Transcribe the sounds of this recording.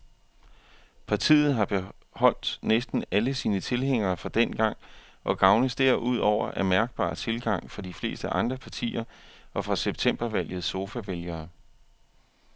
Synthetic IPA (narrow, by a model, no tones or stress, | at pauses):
pʰɑ̈t͡sʰḭːð̞̩ˠɦɑ̈b̥e̝ | hɒ̽l̰d̥nesd̥n̩æləsiːnət͡sʰe̝lɦeŋ̰ɐːfɒ̽d̥en̰ɡ̥ɑ̈ŋ̰ | ʔɒ̽ɡ̥ɑ̈ʊnəðsd̥eɐ̰ʔuð̞̰ˠɒʊ̰ɐʔæɐmæɐɡ̥̚b̥ɑ̰̈ːt͡sʰe̝lɡ̥ɑ̈ŋ̰fɑd̥ifle̝̰ːsd̥əʔɑ̈nd̥ʁɐpʰɑ̈t͡sʰḭːɐʔɒ̽fʁɑ̈seb̥̚t͡sʰem̰b̥ɐʋæl̰jð̩ˠso̝fæʋeljɐː